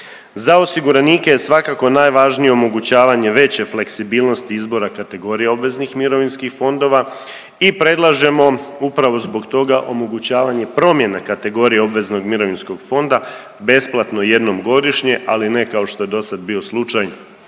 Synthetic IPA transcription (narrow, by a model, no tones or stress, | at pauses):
zaosiɡuɾaniːkejesʋakako̞najʋaʒnijeomo̞ɡut͡ɕaːʋaɲe̞ʋe̞t͡ɕe̞fle̞ksibiːlˠno̞st̪iizbo̞ɾakat̪e̞ɡo̞ɾijeo̞bʋe̞znixmiɾo̞ʋinskixfo̞nd̪o̞ʋa | ipɾe̞d̪lˠaʒe̞mo̞upɾaʋo̞zbo̞ɡt̪o̞ɡaʔo̞mo̞ɡut͡ɕaːʋaɲe̞pɾo̞mje̞nakat̪e̞ɡo̞ɾijeo̞bʋe̞zno̞ɡmiɾo̞ʋinsko̞ɡfo̞nd̪a | be̞splˠat̪no̞je̞d̪no̞mɡo̞d̪iʃɲe̞ʔaline̞kao̞ʃt̪o̞je̞d̪o̞sad̪̚bio̞slˠut͡ʃajno